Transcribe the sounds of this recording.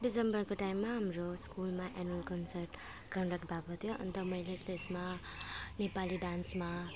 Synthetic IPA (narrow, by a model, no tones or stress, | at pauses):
ɖisembʌɾkoʈajmːaɦamɾoskulmaʔɛnəlkʌnsəɾʈ | kʌɾɖak̚ʈ̚bʱabʱʌt̪ʰijoʌ̰nt̪ʌmʌjleklesma | nepaliɖansma